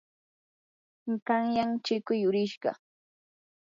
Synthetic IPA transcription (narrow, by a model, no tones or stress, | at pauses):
kɑŋjaŋt͡ʃɪkʊjʊɾɪʃɢɑ̰